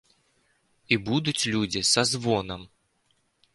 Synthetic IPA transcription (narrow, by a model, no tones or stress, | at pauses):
ibud̪ʊtʲlʲudʲɪsɐzvonəm